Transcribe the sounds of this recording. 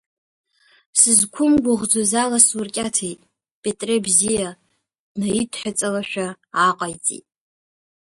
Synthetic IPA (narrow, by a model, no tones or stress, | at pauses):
sɨzkʷʰʊmɡʷaʁd͡zozalasurkʲʼatʰejtʼ | pʼetʼrebzija | najidʰħʷᶣat͡sʼalaʃᶣaː | qʼajt͡sʼḭtʼ